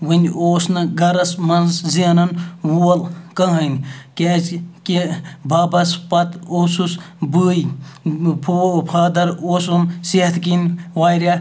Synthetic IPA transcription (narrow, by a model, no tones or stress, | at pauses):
ʋɨnʲoːsnɨɡɐɾɐsmɐnzzinɐnwuɐlkɐɦɐnʲkʲeːzkebʱɐːbɐspɐt̪oːsus | bɨːj | pʰopʰaːd̪ɐɾoːsumset̪ʰkinʋaːjɾʲa